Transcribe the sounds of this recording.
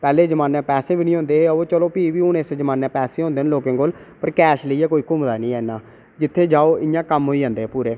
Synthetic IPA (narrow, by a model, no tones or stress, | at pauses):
pɛːleːd͡ʒəmaːnɛ̃ːpɛːsẽːbiːnĩːɦõːnd̪eːoːt͡ʃəloːpiːʋiːʊnesd͡ʒəmaːnːɛ̃ːpɛːsẽːɦõːnd̪eːnloːkẽːkoːl | pəɾkɛːʃləiːɛːkoːiːkʊmd̪aːnĩːɛːnːãː | d͡ʒɪt̪ʰːeːd͡ʒaːoːʔɪjãːkəmɦoːiːd͡ʒãːnd̪eːpuːɾeː